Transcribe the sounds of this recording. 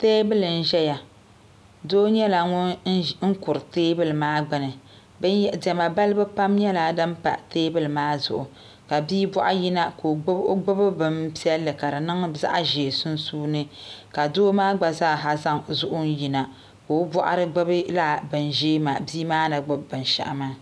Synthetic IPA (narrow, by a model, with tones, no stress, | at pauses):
teː˦bɨ˦lɨ˨n̩˦ʒɛ˦ja˨ | doː˦ɲɛ˦la˨ŋʊ˦ŋ̩˦kʊ˨ɾɨ˨teː˦bɨ˦lɨ˨maː˦ɡ͡bɨ˦nɨ˨ | bdɛ˨ma˨ba˦lɨ˦bɨ˦pa˦mɲɛ˦la˨dɨ˦m˦pa̰˨ʔteː˦bɨ˦lɨ˨maː˦zʊ̰˨ʔʊ˨ | ka˨bi˦bɔ˦ʔa˦ji˦na˦ko˨ɡ͡bʊ˦bɡ͡bʊ˦bɨ˦bɨ˨mpi˦ɛ˦lːɨ˨ka˨ɾɨ˨nɨ˦ŋza̰˦ʔʒeː˨sʊ˦nsuː˦nɨ˦ka˨doː˦maː˦ɡ͡ba˨zaː˦˨ɦa˨za˦ŋ˨zʊ˦ʔʊ˦n̩˦ji˨na˨ | ko˦bɔ̰˦ʔa̰˦ɾɨ˦ɡ͡bɨ˦bɨ˦la˦bɨ˨nʒeː˦ma˨biː˦maː˦nɨ˨ɡ͡bʊ˦bbɨ˨nʃa̰˨ʔa˨ma˦